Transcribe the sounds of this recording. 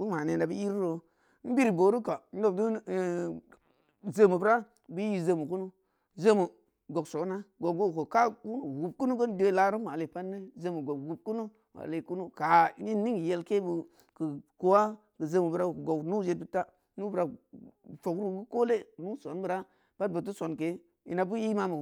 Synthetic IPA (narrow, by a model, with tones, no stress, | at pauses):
bu˦ma˨ne˨nda˨bi˦i˦ɾɾo˨˦ | m̩˦bi˦ɾi˨bo˨˦ɾu˦ka˨n̩˦do˦˨bdu˦˨ | zə˦mu˨bɾa˦ | bi˦ji˦zə˨mu˨ku˦nu˦ | zə˦mu˨ | ɡo˨kso˨˦na˦ɡo˨ɡo˦˨ko˨ka˦ku˦n˨wu˨b̚ku˦nu˦kə˦n˦de˦la˦ɾu˦ma˨le˨pa˦nːe˦zə˦mu˨ɡo˨kwu˨b̚ku˦nu˦ | ma̰˨le˨ku˦nu˦ka˨˦i˦ni˦ŋ˨je˨lke˦bu˨ | kə˨ko˦wa˦ | kə˨zə˦mə˨bə˨ɾa˦˨kɡo˨knu˦d͡ʒe˨t̚bu˨ta˦ | nu˦bɾa˨ | fo˨kɾu˦ɡu˦ko˦le˦nu˦so˨˦n˦bə˨ɾa˦ | b̥a˦t̚bə˨t̬u˦so˨nke˨˦ | ḭ˨na˨bu˦ji˦ma˦mu˨